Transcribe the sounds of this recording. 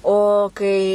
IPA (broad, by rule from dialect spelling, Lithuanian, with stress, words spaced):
oː ˈkɐɪ